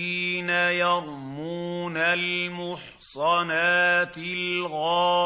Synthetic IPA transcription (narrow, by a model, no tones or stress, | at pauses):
iːnajɑɾˤmuːnalmʊħ | sˤɑnaːt̪ɪlɣɑː